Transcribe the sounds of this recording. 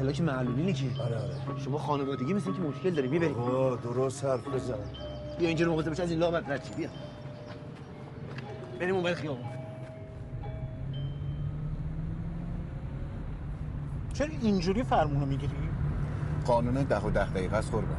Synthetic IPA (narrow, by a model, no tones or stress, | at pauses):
hʰelɒːcʰemæʔluliːnecʰiɔɾeɔɾeʃomɒːxɒːnevɒːd̪eɡiːmisnimcʰemoʃkeld̪ɒːɾiːmbibæɾiod̪oɾost̪æɾd̪oɾosbijɒind͡ʒiɾmoxoseeʃiæziːnlɒːbæd̪ɾæt̪t͡ʃʰibijæ | b̥eɾiːmombæɾixijɒːbofd̪i | t͡ʃʰeɾɔind͡ʒuɾifæɾmuːnomiɟiɾi | ɡɒːnuːned̪æɦod̪æhd̪æiːɣæsχoɾbæ̰